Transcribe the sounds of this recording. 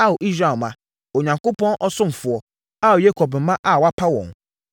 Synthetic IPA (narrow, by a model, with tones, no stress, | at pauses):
a˦wo˨ʔi˦sɾa˨mã˨ | o˨ɲã˨ŋko˦pʰɔ̃˦nʔɔ˦sʊ̃˦m̩˨fʊ˨ɔ˨ | a˦wo˨je˦kʰɔ˨bm̩˨˦mã˦ʔa˦˨wa˦pʰa˦wɔ̰̃˨n